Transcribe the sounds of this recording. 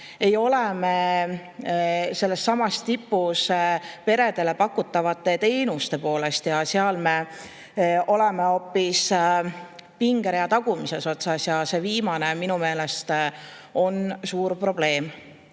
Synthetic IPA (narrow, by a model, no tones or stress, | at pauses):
e̞jo̞leme | se̞lːestːɑmɑst̪ipːˑuspe̞ɾe̞d̪̥e̞le̞pɑkːut̪ːˑɑvɑt̪ːˑe̞t̪e̞jnust̪e̞po̞ːle̞st̪jɑseɑlme̞ | ʔo̞le̞me̞o̞ːpːis | piŋɡ̥eɾjɑt̪ɑɡ̥umise̞so̞t̪sɑsjɑse̞viːmɑne̞minume̞ːle̞st̪o̞nsuːɾpro̞b̥le̞ːm